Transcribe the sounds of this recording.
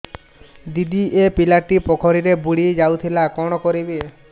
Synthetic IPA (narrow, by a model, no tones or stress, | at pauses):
d̪id̪iʔepilaʈːipɔkʰɔɾiɾebuɽid͡ʒawt̪ʰilakɔɽ̃ɔkɔɾibe